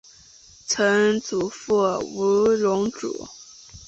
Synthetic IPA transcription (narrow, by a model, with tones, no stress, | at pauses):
t͡sʰɤ˧˥ŋt͡su˨˩fu˥˩u˧˥lʊ˧˥ŋʈ͡ʂṵ˨˩˦